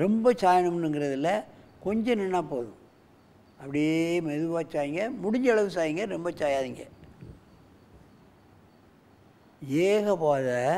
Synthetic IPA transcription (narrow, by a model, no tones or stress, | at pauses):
ɾɛmbɐt͡ʃaːjɐɳɐmnɯŋɡɪɾɐðɪlːɐkɔɲd͡ʒɐ̃nɛɳːaːpoːðʊ̰̃ | ɐpːɐɽɪemɛðɯʋaːt͡ʃːaːjɪŋɡɐmʊɽɪɲd͡ʒɐɭɐʋɯsaːjɪŋɡɐɾɛmbɐt͡ʃaːjaːðiŋɡɐ̰ | eːɣɐpaːðɐ